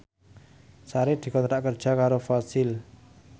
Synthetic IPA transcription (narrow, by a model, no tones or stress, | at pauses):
saɾɪd̪̥i̤kɔnɾaʔkərd̥ʒ̥a̤kaɾofasɪl